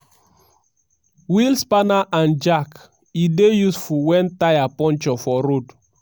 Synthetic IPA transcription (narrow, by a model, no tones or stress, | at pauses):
wilspanaʔãnd͡ʒak | idejusfuwɛ̃ntajapɔ̃nt͡ʃɔfɔɾod